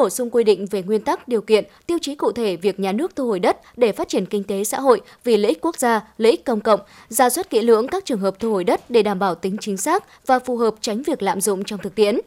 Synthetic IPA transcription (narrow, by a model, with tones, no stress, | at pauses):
o˧˩sʊ˧ŋ͡mkwi˧ɗḭ̈˧˨ŋ̟ve˨˩ŋwi˧ənt̪a˦˥k̚ɗi˨˩əwkḭ˧˨ənt̪i˧əwt͡ɕi˨˦kṵ˧˨t̪ʰe˧˩vi˨˩ək̚ɲaː˨˩nɨ˦˥ək̚t̪ʰu˧ho˧˩jɗə˦˥t̚ɗe˧˩faː˦t̚t͡ɕi˧˩ənkï˧ŋ̟t̪e˨˦sa̰ː˧˥ɦo̰˧˨j | vi˨˩lḛ˧ʔi̟˦˥ku˦˥ək̚zaː˧lḛ˧˥ʔi˦˥k̟̚kːə˧wŋ͡mkə̰˧˨wŋ͡m | zaː˧˩swa˦˥t̚kḭ˧˥əlɨ̰˧˥əŋkaː˦˥k̚t͡ɕɨ˨˩əŋɦəː˨˩p̚t̪ʰu˧ho˧˩˨jɗə˦˥t̚ɗe˧˩ɗaː˧˩mɓaː˧˩wt̪ï˨˦ŋ̟t͡ɕï˨˦ŋ̟saː˦˥k̚ | vaː˨˩fu˨˩ɦəː˨˩p̚t͡ɕa˨˦jŋ̟vi˨˩ək̚la̰ː˧˨mzʊ̰˧˨ŋ͡mt͡ɕɔ˧wŋ͡mt̪ʰɨ˨˩k̚t̪ḭ˧˨ən